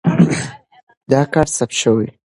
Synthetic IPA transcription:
d̪ɑkɑɾsap̪̚ʃəwi

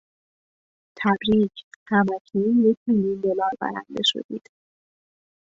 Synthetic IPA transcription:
t̪ʰæbɾiːcʰhæmæcʰijecʲʰmiljund̪olɒːɾbæ̰ɾæ̰nd̪eʃo̰d̪iːd̪̥

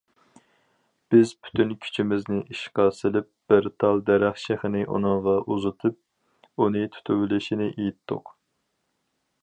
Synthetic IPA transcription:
b̥ɪzpʰy̥t̪ʰynkʲʰy̥t͡ʃʰimɪznɪʔiʃqɑːsɨlɪp̚b̥ɪɾt̪ʰɑlˠd̪æɾæχʃeχɪnɪʔṵnɨŋʁɑʔuzɨt̪ʰɨp̚ | unɨt̪ʰu̥t̪ʰywlɪʃinɪʔejit̪ːʊ̰q

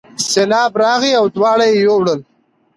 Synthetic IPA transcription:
selɑːbɾɑːɣiawd̪wɑːɽajejowɽəl

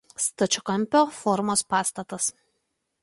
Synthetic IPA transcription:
st̪ɐt͡ʃʲʊkɐmʲpʲofɔɾmoːspɑːst̪ɐt̪ɐs

